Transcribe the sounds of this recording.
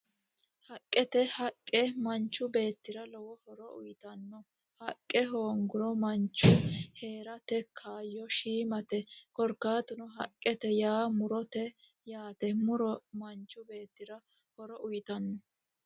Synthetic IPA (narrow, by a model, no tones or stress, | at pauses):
hɐkʼːɛt̪ɛhɐkʼːɛmɐnt͡ʃːʊbe̞ːt̪ːɪɾɐlɔwɔhɔɾɔʊ̰jt̪ɐnːɔ | hɐkʼːɛɦoːŋɡʊɾɔmɐnt͡ʃːʊhe̞ːɾɐt̪ɛkʰaːjːɔʃiːmɐt̪ɛkɔɾkːaːt̪ʊnɔɦɐ̰kʼːɛt̪ɛjaːmʊɾɔt̪ɛ | jaːt̪ɛmʊɾɔmɐnt͡ʃːʊbe̞ːt̪ːɪɾɐ | hɔɾɔʔʊjt̪ɐnːɔ